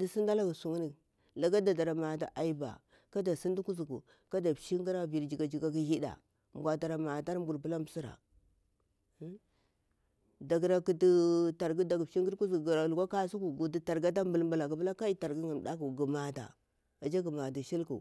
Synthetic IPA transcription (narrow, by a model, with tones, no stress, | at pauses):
di˦si˦nda˦la˦ɡu˨su˨ŋi˦ni˨ | la˨ɡa˦da˨da˨ɾa˨ma˨ta̰˨ʔa˨i˦ba̰˨ | ka˦da˨si˦ndu˦ku˦zu˨ku˨ | ka˦da˨pʃi˦ŋɡi˦ɾa˦vi˨ɾd͡ʒi˨ɡa˨d͡ʒi˨ɡa˦ki˦hi˦da̰˨ | m˨ɡʷa˨ta˨ɾa˨ma˨ta˦ɾm˦bu˨ɾp̬ə˦la˦mbsi˦ɾa̰˨˦ | da˨ɡɾa˨ki˦ti˦ta˨ɾɡu˦da˨ɡpʃi˦ŋɡi˦ɾku˦zɡɾa˨lɡa˦ka˦su˦ku˨ɡu˨di˦ta˨ɾɡa˦t̬a˦mbu˨lmba˨la˨ku˨pla˦ka˦i˦ta˨ɾɡi˦ŋa˨m˨da˦ku˨ɡu˨ma˨ta̰˨ | a˨d͡ʒa˦ɡə˨ma˨da˨ʃi˦lkṵ˨